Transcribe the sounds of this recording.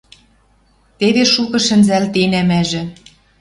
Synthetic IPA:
t̪eβeʃukɤ̆ʃɘ̆nzælt̪enæmæʒɘ̆

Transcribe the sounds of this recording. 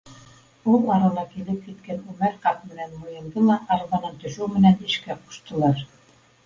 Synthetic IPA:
ulˠɑɾɑlˠɑkilɘp̚kit̪kænʉmæɾqɑt̪̚mɘ̆nænmŏjɤ̆nd̪ɤlˠɑʔɑɾβɑnɤnt̪ɵ̆ʃɘwmɘ̆nænɘ̆ʃkæqu̥ʃt̪ɤ̆lˠɑɾ

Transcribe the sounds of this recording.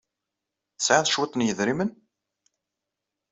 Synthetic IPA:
θəsʕaðˤʃwət̪ːˤnjəðɾimən

